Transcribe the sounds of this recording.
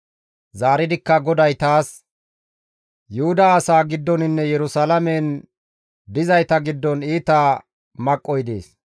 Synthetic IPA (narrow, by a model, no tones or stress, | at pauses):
zaːɾɪd̪ɪkːɐɡɔd̪ɐjt̪aːs | jʊhʊd̪ɐːsaːɡɪd̪ːɔnɪnːɛjɛɾʊsɐlɐmɛn | d̪ɪzɐjt̪ɐɡɪd̪ːɔniːt̪aː | mɐkʼːɔjd̪ḛːs